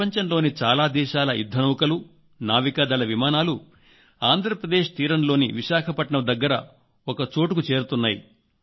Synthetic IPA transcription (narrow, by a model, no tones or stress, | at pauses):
ɐɲt͡ʃɐnlo̞ːnit͡ʃaːlaːd̪ɛːʃaːlɐjud̪ʱːɐnɐwukɐlu | naːʋikaːd̪ɐlɐʋimaːnaːlu | aːnd̪ʱɾɐpɾɐd̪e̞ːʃt̪iːɾɐmlo̞ːniʋiʃaːkʰɐpɐʈɳɐmd̪ɐɡːɐɾɐ | oɔkɐt͡ʃo̞ːʈukut͡ʃe̞ːɾut̪unːaːjḭ